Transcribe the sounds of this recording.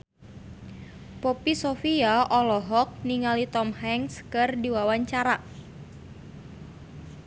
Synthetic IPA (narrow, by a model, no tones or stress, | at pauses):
popisofiaʔɔlɔɦɔk̚niŋalit̪ɔmhɛŋskɨrdiwawaɲt͡ʃaɾa